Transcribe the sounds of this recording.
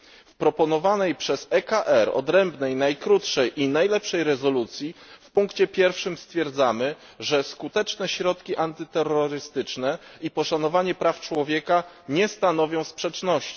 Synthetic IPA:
fpɾɔpɔnɔvanɛjpʂɛzɛkaʔɛɾɔ̰d̪ɾɛmbnɛjnajkɾut̪ʂɛjʔinajlɛpʂɛjɾɛzɔlut̪sʲjifpuŋkt͡ɕɛpʲjɛɾfʂɘmst̪fʲjɛɾd̪zamɘ | ʐɛskut̪ɛt͡ʂnɛɕɾɔt̪kʲiʔant̪ɘt̪ɛrːɔɾɘst̪ɘt͡ʂnɛipɔʂanɔvaɲɛpɾaft͡ʂwɔvʲjɛka | ɲɛst̪anɔvʲjɔ̃w̃spʂɛt͡ʂnɔɕt͡ɕi̥

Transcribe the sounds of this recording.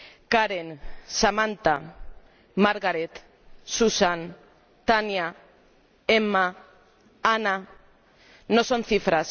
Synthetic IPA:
kaɾensamãnt̪a | maɾɣaɾet̪ | susan | t̪anja | ema | ana | noso̞nθifɾas

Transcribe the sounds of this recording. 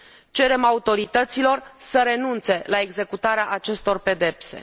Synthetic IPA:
t͡ʃe̞ɾe̞maut̪o̞ɾit̪ət̪silo̞rsəɾe̞nunt̪se̞lae̞ɡze̞kut̪aɾeaʔat͡ʃe̞st̪o̞rpe̞d̪e̞pse̞̰

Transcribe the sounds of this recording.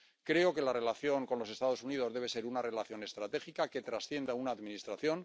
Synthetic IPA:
kɾe̞o̞ke̞lare̞laθjo̞ŋko̞nlo̞se̞st̪að̞o̞sunið̞o̞zðe̞βe̞se̞ɾunare̞laθjo̞ne̞st̪ɾat̪e̞xikake̞t̪ɾasθje̞nd̪aunaːðminist̪ɾaθjo̞ŋ

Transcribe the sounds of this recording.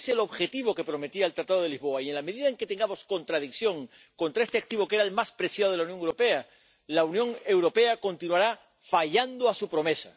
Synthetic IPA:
selo̞βxe̞t̪iβo̞ke̞pɾo̞me̞t̪iaelt̪ɾat̪aðoe̞lizβo̞aie̞nlame̞ðiðaeŋke̞t̪e̞ŋɡamo̞sko̞nt̪ɾað̞ikθjõ̞ŋ | ko̞nt̪ɾaest̪e̞ak̚t̪iβo̞kee̞ɾaelmaspɾe̞sjaðo̞ð̞eaunjo̞ŋewɾo̞pe̞a | launjõ̞ŋe̞wɾo̞pe̞ako̞nt̪inwaɾa | faʝand̪oasupɾo̞me̞sa

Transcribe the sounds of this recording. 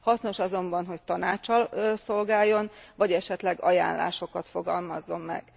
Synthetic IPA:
hɒsno̞ʃɒzo̞mbɒnɦo̞ct̪ɒnaːt͡ʃːɒlso̞lɡaːjːo̞nvɒɟɛʃɛt̪lɛɡɒ̰ja̰ːnla̰ːʃo̞kɒt̪fo̞ɡɒlmɒzːo̞mːɛ̰ɡ̥

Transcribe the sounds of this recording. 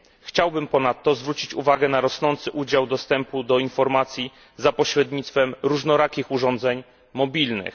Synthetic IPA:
xt͡ɕawbɘmpɔnat̪ːɔzvɾut͡ɕit͡ɕuvaɡɛnaɾɔsnɔnt̪sɘʔud͡ʑawd̪ɔst̪ɛmpud̪ɔinfɔɾmat̪sʲji | zapɔɕɾɛd̪ɲit̪st̪fɛmɾuʐnɔɾakʲixuʐɔnd̪zɛɲ | mɔbʲilnɘ̰x

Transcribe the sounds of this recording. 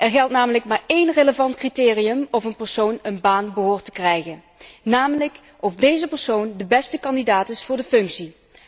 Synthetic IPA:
ʔɛɹɣɛlˠtnaːmələk̚maːɹejnreləvɑntkritɪːrijəmɔvənpəɹsownənbaːnbəɦoːɹtəkrɛjχən | naːmələk | ɔfdejzəpəɹsowndəbɛstəkɑndidaːtɪsfʊːɹdəfɵŋksi

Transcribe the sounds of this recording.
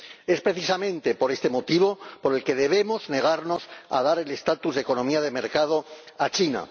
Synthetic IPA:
e̞spɾe̞θisamẽ̞nt̪e̞po̞ɾe̞st̪e̞mo̞t̪iβ̞o̞po̞ɾe̞lke̞ðe̞β̞emo̞zne̞ɣ̞aɾno̞sa̰ð̞aɾe̞le̞st̪at̪uzðe̞ko̞no̞miað̞e̞me̞ɾkað̞o̞ | at͡ʃina̰

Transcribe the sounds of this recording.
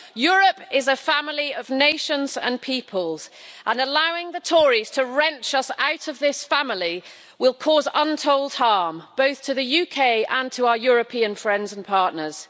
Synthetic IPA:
jɔːɹəpɪzəfamliəvneɪʃə̃nzə̰̃npʰiˑpʰəlˠz̥ʔə̃nəlaʊɪ̃ŋðətʰɔːɹiz̥tʰəɹɛ̃nt͡ʃʌsaʊtəvðɪsfãmli | wɪlˠkʰɔːzʌ̃ntʰoʊlˠd̥̚hɑːmb̥oʊθtʰəðəjʉkʰeɪʔə̃ntʰəaʊəjɔːɹəpʰĩə̃nfɹɛ̃ndzə̃npʰɑˑʔⁿnəz̥

